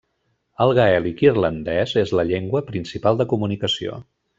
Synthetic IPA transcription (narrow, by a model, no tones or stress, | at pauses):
əlˠɣaɛlikirlənd̪ɛzezləʎeŋɡwəpɾinsipalˠd̪əkumunikəsio̰